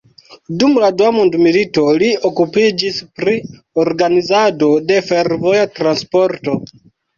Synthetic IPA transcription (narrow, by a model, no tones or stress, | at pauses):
dumladuamundmilito̞liokupid͡ʒispɾi | oɾɡanizado̞de̞fe̞ɾvo̞jatɾanspo̞ɾto̞